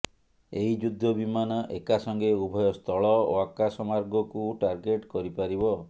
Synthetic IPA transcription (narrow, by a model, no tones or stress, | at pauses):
eɦid͡ʒud̪ʱːɔbimanɔʔekasɔŋɡeubʱɔjɔst̪ʰɔɭɔoakasɔmaɾɡɔkuʈaɾɡeʈkɔɾipaɾibɔ